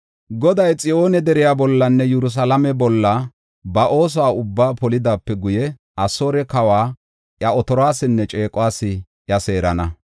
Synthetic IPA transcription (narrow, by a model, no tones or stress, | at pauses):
ɡɔd̪ɐjt͡sʼɪo̞ːnɛd̪ɛɾɪjabɔlːɐnːɛjɛɾʊs̬ɐlɐmɛbɔlːɐ | bɐʔo̞ːs̬ɔwaːʊbːaːpɔlɪd̪aːpːɛɡʊjɛ | ɐsoːɾɛkɐwaː | ʔjɐɔt̪ɔɾɔaːsɪnːɛt͡ʃʼe̞ːkʼʊwaːsːɪ | ʔjɐse̞ːɾɐnɐ